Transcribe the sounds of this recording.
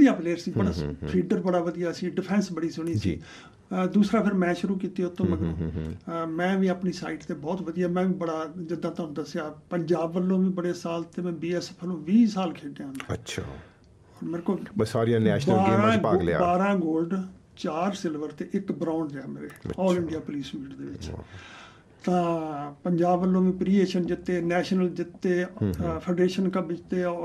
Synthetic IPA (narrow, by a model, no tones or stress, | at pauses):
d̪ɪjãːpleːɾsiːbəɽaːpʰiːɖəɾbəɽaːʋəd̪ijaːsĩːɖɪpʰɛ̃ːnsbəɽiːsʊɽ̃iːsḭː | d̪uːsɾaːpʰɪɾmɛ̃ːʃʊɾuːkiːt̪eʊt̪ʰːõːməɡõː | mɛ̃ːʋĩːapniːsa̰ːɪʈt̪eːbɔːt̪ʋəd̪ijaːmɛ̃ːʋĩːbəɽaːd͡ʒɪd̪ãːt̪and̪əsejaːpəɲd͡ʒaːbʋəlːõːʋĩːbəɽeːsaːlt̪eːmɛ̃ːbiːɛːsɛpʰnõːʋiːsaːlkʰeːɖ̪ejaːɦñːət͡ʃʰa | ɔːɾmeːɾekoːlsaːɾiãːnɛːʃlaːɾãːɡal̰ːbaːɾãːɡoːlɖ | t͡ʃaːɾsɪlʋəɾt̪eːʔɪkbɾãːʊɳɾɛːmḛːɾeːɔːlɪ̃ɳɖijaːpʊliːsmiːʈd̪ḛːʋɪ̰t͡ʃt͡ʃ | t̪ãːpəɲd͡ʒaːbʋəlːõːʋĩːpɾiːeːʃənd͡ʒɪt̪ːeːnɛːʃnəld͡ʒɪt̪ːeːpʰə̃ːɳɖeːʃənkabɪt͡ʃt̪eː